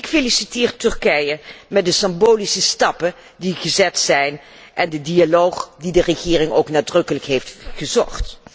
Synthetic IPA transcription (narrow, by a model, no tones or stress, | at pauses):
ɪkfelisitɪːɹtʏɹkɛjəmɛt̚dəsɪmboːlisəstɑpə | diχəzɛtsɛjn | ʔɛndədialowχdidərəχɪːrɪŋo̰wknaːdrɵkələkɦejftχəzɔχt